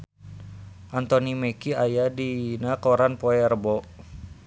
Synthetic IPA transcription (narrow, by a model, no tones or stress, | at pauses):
ʔant̪onimekiajadinakoɾanpɔɛrbɔ